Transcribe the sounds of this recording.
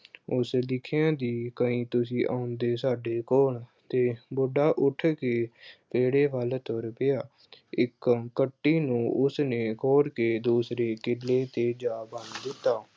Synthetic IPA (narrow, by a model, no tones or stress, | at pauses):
ʊslɪkʰɪjãːd̪iːkəĩːt̪ʊsĩːʔa̰ːʊnd̪eːsaːɖeːkoːɳt̪eːboːɖaːʔʊʈʰkeːp̪eːɽeːbəːlt̪oɾpɪjaː | ɪkkəʈːiːnũːʔʊsneːkɔːɾkeːd̪uːsɾeːkɪlːeːt̪eːd͡ʒaːbə̃nd̪d̪ɪt̪ːaː